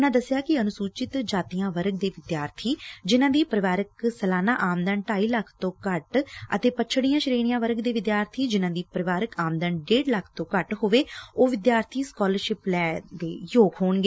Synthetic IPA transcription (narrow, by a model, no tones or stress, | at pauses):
ʊnãːd̪əsːjaːkɪənʊsuːt͡ʃɪt̪d͡ʒaːt̪ijãːʋəɾɡ̚d̪eːʋɪd̪jaːɾt̪ʰiːd͡ʒɪnãːd̪iːpəɾɪʋaːɾəksəlaːnaːʔaːmd̪ənʈaːiːləkʰt̪õːkəʈə̰t̪eːpəʃʰɽijãːʃəɾeːɽɪjãːʋəɾɡd̪eːʋɪd̪jaːɾt̪ʰiːd͡ʒɪnãːd̪iːpəɾɪʋaːɾəkaːmd̪ənɖeːɖləkʰt̪õːkəʈɦoʋeːoːʋɪd̪jaːɾt̪ʰiːskɔːləɾʃɪplɛːd̪eːjoːkɦoːnɡeː